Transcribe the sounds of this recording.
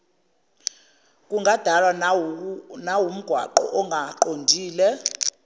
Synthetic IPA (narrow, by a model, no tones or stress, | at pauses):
kʼuŋɡʱad̥ʱalwa | nawum̩ɡ̥ʱwa̰ǃɔ̰ʔɔŋɡʱaǃondʱiːlɛ